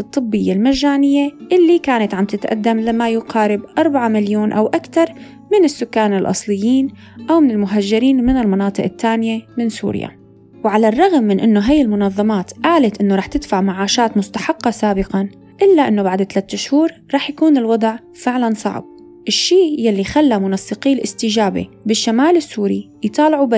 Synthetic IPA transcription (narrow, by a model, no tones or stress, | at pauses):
ɨt̪ˤːɨbːɪjːalmaʒːaːnɪjːeʔɪlːikaːnat̪ʕamt̪ɪt̪ʔa̰d̪ːamlamːajʊqɑːɾɪbʔɑɾˤbaʕamɪljoːnʔawʔakt̪ɑɾˤ | mɪnɪsːʊkːaːnɪlʔɑ̰sˤlɪjːiːn | ʔawmɪnɪlmʊɦaʒːɪɾiːnmɪnɪlmɑnɑːt̪ˤɨʔɪt̪ːaːnɪjemɪnsṵːɾja̰ | wʕalarˤːɑɣmːɪnʔɪnːoɦajːɪlmʊnɑðˤːɑmɑːt̪ʔaːlat̪ʔɪnːoɾˤɑːħt̪ɪd̪faʕmaʕaːʃaːt̪mʊst̪aħɑqːɑsaːbɪqɑn | ʔɪlːaʔɪnːobaʕd̪t̪alat̪ːʊʃhuːɾˤɾˤɑːħjakuːnɪlwɑd̪ˤʕ | fɪʕlansˤɑ̰ʕb̚ | ʔɪʃːiːjalːixalːamʊnɑsːɨqiːlʔɪst̪ɪd͡ʒaːbḛbɪʃːamaːlɪsːuːɾḭ | jt̪ˤɑːlɪʕuba